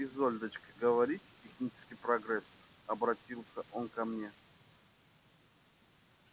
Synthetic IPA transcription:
ɪzolʲd̪ət͡ɕkɡəvɐɾʲitʲtʲːɪxnʲit͡ʃɪ̥skʲɪjpɾɐɡɾɛsɐbɾɐtʲilˠsʲəʔonkɐmnʲe

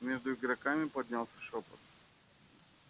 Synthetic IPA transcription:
mʲeʐd̪ʊɪɡɾɐkamʲɪpɐd̪̚ʲnʲalˠsʲə̥ʂopə̰t̪

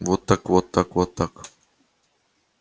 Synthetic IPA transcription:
wot̪akwot̪akwot̪ak

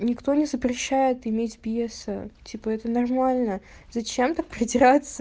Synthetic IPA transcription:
nʲɪkt̪o̞nʲɪzəpɾʲɪɕːæjɪt̪ɪmʲetʲbʲesətʲipəɛt̪ənɐrmalʲnə | zɐt͡ɕemt̪ak̚pɾʲɪdʲɪɾat̪sə

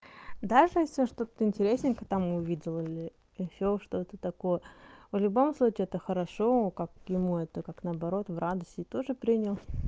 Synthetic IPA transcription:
d̪aʐɨjesʲlʲɪoʂt̪o̞t̪ɪnʲtʲɪɾʲesʲnʲɪkət̪amʊvʲidʲɪlˠilʲɪ | ɪɕoʂt̪o̞t̪ət̪ɐko̞jəvlʲʊbo̞mslˠut͡ɕɪɛt̪əxəɾɐʂo̞kakjɪmuɛt̪əkaknəɐbɐɾo̞t̪vrad̪əsʲtʲɪt̪o̞ʐɨpɾʲinʲəlˠ

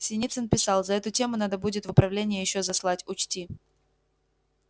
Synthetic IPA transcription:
sʲɪnʲit̪sənpʲɪsɑlˠzɐɛt̪ʊtʲe̞mʊnad̪əbudʲɪt̪vʊpɾɐvlʲenʲɪjəjɪɕːozɐslˠatʲʊt͡ɕtʲi

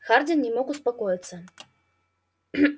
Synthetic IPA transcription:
xard͡z̪ʲinnʲɛmɔkuspakɔjɐt̪sːɐ

